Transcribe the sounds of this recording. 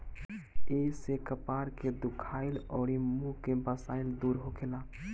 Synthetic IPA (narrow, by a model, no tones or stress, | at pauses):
eːsekəpaːɾked̪ʊkʰaːɪlɔːɾimukebaːsaːɪld̪uːɾɦokʰelaː